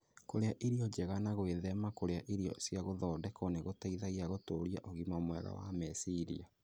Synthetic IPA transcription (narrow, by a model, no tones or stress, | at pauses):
koɾeaʔiɾiɔd͡ʒɛɣanaɣweðɛmakoɾeaʔiɾiɔ̰sjaɣoðɔdɛkɔneɣotaiðaɣiaɣotoɾijaʔoɣimamwɛɾɔ̰wa̰mɛsiɾḭa